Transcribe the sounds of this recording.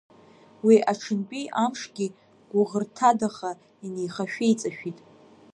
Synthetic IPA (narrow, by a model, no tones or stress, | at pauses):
wiʔaʈ͡ʂʰɨnpʼiʔamʂɡʲi | ɡ̥ʷʊʁərtʰadaχa | inejχaʃᶣejt͡sʼaʃᶣitʼ